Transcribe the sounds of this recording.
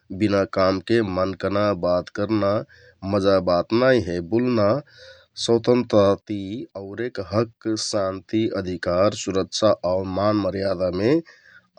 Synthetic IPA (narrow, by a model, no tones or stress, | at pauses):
binakamkemənkənabat̪kəɾna | məd͡ʒabat̪najɦebulna | sət̪ə̃nt̪ɾət̪iəʊɾekɦəksant̪iəd̪ʱikaɾsuɾəkt͡ʃʰaʔaʊmanməɾjad̪ame